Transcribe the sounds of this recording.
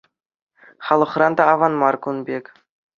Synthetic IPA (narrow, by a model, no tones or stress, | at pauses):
χɑlˠɤ̆χrɑnd̪ɑːvɑnmɑrkunbʲek